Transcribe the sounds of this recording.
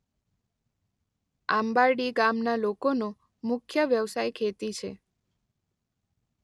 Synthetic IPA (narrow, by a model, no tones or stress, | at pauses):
ambaɾɖiɡamnalokono | mʊkʰjəʋjəʋsajkʰet̪it͡ʃʰe